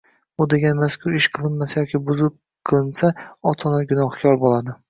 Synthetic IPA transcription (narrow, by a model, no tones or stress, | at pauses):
ʊd̪e̞ɡʲanmaskʲʰʊɾɪʃqʰɨlˠɪnmasajɒkʲɪbʊzɪp̚ | qʰɨlˠɪnsaɒt̪ʰɒnaɡʲʊnɒhkʲʰɒɾbolˠad̪ɪ